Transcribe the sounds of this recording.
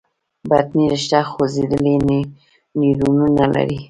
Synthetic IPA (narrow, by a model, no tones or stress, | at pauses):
bat̪niɾɪʃt̪axozed̪əlen | niɾununala̰ɾi